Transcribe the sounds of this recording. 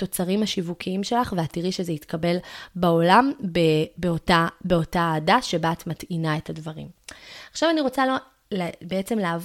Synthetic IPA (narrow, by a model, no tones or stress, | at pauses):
to̞t͡saʁimhaʃivukʰiimʃe̞laχveatiʁiʃezeit̪kabelbao̞lambebeotabeo̞taːdaʃe̞baːt̪matinae̞thadvaʁḭmaχʃavaniʁo̞t͡salo | lbeet͡se̞mleːv